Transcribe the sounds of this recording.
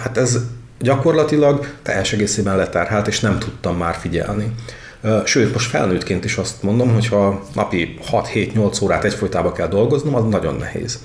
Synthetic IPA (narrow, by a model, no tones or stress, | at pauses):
hat̪ɛz | ɟɒko̞rlɒt̪ilɒɡt̪ɛ̰jɛʃɛɡeːseːbɛnlɛt̪ɛrɦɛlt̪eːʃnɛmt̪ʰut̪ːɒmːaːrfiɟɛ̰lni | ʃøːt̪mo̞ʃt̪fɛ̰lnøːt̪keːnt̪iʃɒst̪mo̞nd̪o̞mɦochɒnɒ̰pihɒt̪heːt̪ɲo̞lt̪soːɾaːt̪ɛcfojt̪aːbɒkɛld̪o̞lɡo̞znomɒznɒɟo̞̰nːʔɛ̰hḛːz̥